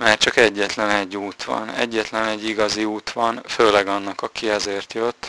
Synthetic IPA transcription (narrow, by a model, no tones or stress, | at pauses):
maːrt͡ʃɒkɛɟːɛt̪lɛnɛɟːuːt̪ʋɒ̰nɛ̰ɟːɛt̪lɛnɛɟːiɡɒziuːt̪ʋɒnføːlɛɡɒnːɒkɒkiɛzeːrt̪jøt̪ː